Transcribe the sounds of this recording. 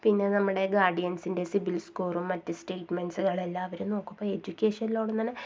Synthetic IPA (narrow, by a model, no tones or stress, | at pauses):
pinːe̞nɐmːuɽe̞ɡaːɖijɐnsinde̞sibilskuːrumːɐtːɨsʈe̞ːʈmensuɣɐɭe̞lːaːɐʋɐɾumno̞ːkːumboːe̞d͡ʑukʲːeːʂɐniloːɽenːɐnːɨ